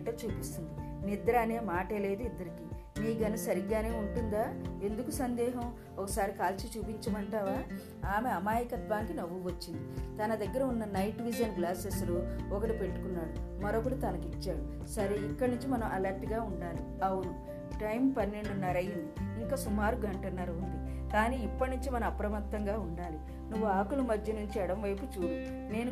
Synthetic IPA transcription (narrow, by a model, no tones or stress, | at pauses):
ʈɐːt͡ʃuːpist̪und̪i | nid̪ɾaːneːmaːʈeːle̞ːd̪uid̪ːɐɾiki | miːɡɐnɐsɐɾiɡːaːne̞ːuɳʈund̪aːe̞nd̪ukusɐnd̪ɛːɦɐm | ɔkɐsaːɾikaːlt͡ʃit͡ʃuːpiɲt͡ʃɐmɐɳʈaːʋaː | aːme̞ɐmaːjɐkɐt̪ʋaːnkinɐʋːuʋɐt͡ʃːind̪it̪ɐnɐd̪ɐɡːɐɾɐunːɐnɐjʈʋid͡ʒjɐnɡlaːsesluɔkɐʈipe̞ɭʈːu̥kunːaːɽumɐɾɔːkɐʈit̪ɐlɐkit͡ʃːaːɽu | sɐɾeikːɐɽnuɲt͡ʃimɐnɐmɐlɐɾʈɡaːuɳɖaːli | ɐwunu | ʈɐjmpɐnːe̞ɳɖunɐɾɐjind̪iiŋkaːsumaːɾuɡɐɳʈɐnːɐɾɐund̪i | kaːniːipːɐʈnuɲt͡ʃimɐnɐmɐpɾɐmɐt̪ːɐŋɡaːuɳɖaːli | nuʋːuaːkulɐmɐd̪ʱjɐnuɲt͡ʃiɛɽɐmʋɐjput͡ʃuːɽu | ne̞ːnu